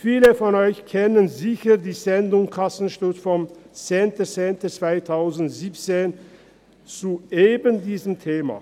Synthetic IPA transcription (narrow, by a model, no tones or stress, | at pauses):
fiːləfɔnɔʏçkʰɛnənzɪçədiːzɛndʊŋkʰasn̩ʃtʊtfɔmt͡sɛeːntət͡seːntət͡sv̥aɪtʰaʊzn̩tz̥iːp̚t͡seːn | t͡suʔeːbəndiːzəmtʰeːma̰ː